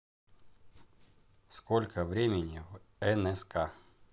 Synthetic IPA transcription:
skolʲkʰəvɾʲemʲɪnʲivɛnɛskʰa

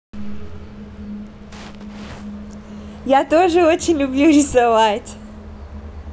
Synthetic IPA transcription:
jat̪o̞ʐɨo̞t͡ɕɪnʲlʲʊblʲuɾʲɪsɐvatʲ

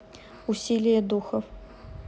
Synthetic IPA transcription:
usʲilʲɪjɐd̪uxɐf

